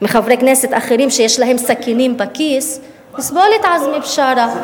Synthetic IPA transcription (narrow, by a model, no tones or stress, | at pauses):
meχavɾekneset̪ʔaχeɾiːmʃejeʃlaɦemsakiniːmbakis | misbolit̪ʕazmibʃaɾa